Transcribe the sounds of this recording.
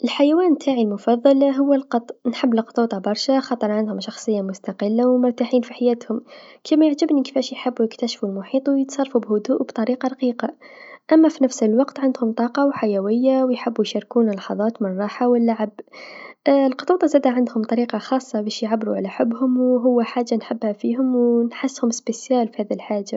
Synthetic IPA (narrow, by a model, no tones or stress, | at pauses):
ʔəlħajæwæːnt̪ʰaːʕilmʊfɑðˤːɑlɦʊwːəlqɑt̪ˤnħəbːləlqt̪ˤuːt̪ˤɑbɑɾˤʃaxɑːt̪ˤəɾˤʕand̪hʊmʃɑxsˤəjːamʊst̪ɑqəlːawmʊɾt̪aħiːnfiħajæːt̪hʊmkʰimæjɪʕʒɪbnikifæʃjħɪbːujɪkt̪æʃfulmʊħiːt̪ˤwjət̪sˤɑrˤfubhʊd̪uːʔbt̪ˤɑɾiːqɑɾˤɑqiːqɑʔæmːæfinæfsɪlwɑqt̪ʕɪnd̪hʊmt̪ˤɑːqɑwħajæwɪjːawjħɪbːujʃɑɾkuːnlːɑħɑðˤɑːt̪mɪnrˤɑːħawɪlːaʕab | lqʊt̪ˤuːt̪ˤɑzæːd̪aʕand̪hʊmt̪ˤɑɾiːqɑxɑːsˤːɑbæːʃjʕabːɾuʕalaħɪbːhʊmwɦʊwːaħaːʒːanħɪbːhæfiːɦʊmwnħasːhʊmɪsbpɪsjæːlfihæːðiilħaːʒːa